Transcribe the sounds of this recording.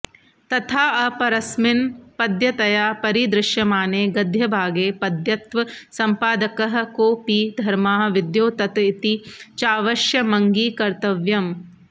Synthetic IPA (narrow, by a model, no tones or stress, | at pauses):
t̪ɐt̪ʰaːɐpɐɾɐsmɪnpɐd̪jɐt̪ɐjaːpɐɾid̪ɾɪʃjɐmaːneːɡɐd̪ʱjɐbʱaːɡeːpɐd̪jɐt̪ʋɐsɐmpaːd̪ɐkɐɦɐ̆koːpid̪ʱɐɾmaːɦɐʋid̪joːt̪ɐt̪ɐit̪it͡ʃaːʋɐʃjɐmɐŋɡiːkɐɾt̪ɐʋjɐm